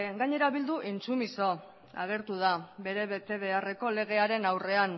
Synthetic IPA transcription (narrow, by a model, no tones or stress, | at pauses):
ɡaɲe̞ɾaβild̪uʔint͡sumiso̞ | a̰ɣ̞e̞ɾt̪uð̞abe̞ɾe̞βe̞t̪e̞βe̞are̞ko̞le̞ɣ̞e̞aɾe̞nawre̞an